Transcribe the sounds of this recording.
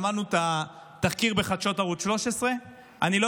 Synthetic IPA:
manut̪a | t̪aχkiʁbe̞χad̪ʃo̞taʁut̪ʃlo̞ʃesʁe̞ | anilo

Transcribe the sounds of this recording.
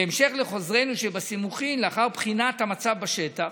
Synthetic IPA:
eemʃe̞χle̞χo̞zʁe̞jnuʃebasimuχimleaχaʁpχinathamat͡savbaʃet̪a

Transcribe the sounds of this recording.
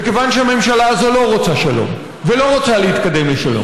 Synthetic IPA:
beke̞vanʃeame̞mʃalaːzo̞lo̞ʁot͡saʃalo̰m | velo̞ʁot͡salehit̪kad̪e̞mleʃalo̰

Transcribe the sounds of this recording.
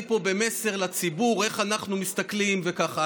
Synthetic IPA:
po̞be̞me̞se̞ʁlat͡sibuʁe̞χanaχnumist̪aklimvekaχa

